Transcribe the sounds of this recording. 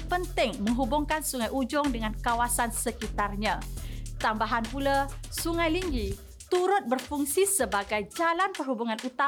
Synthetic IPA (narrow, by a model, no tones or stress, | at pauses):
pənt̪ɪŋmə̃ŋɦubʊŋkansuŋajʔud͡ʒʊŋdəŋãnkawasansəkit̪arɲãt̪ambaɦanpulasuŋajliŋɡi | t̪uɾʊt̪̚bərfuŋsisəbaɡajd͡ʒalanpərhubuŋãnut̪a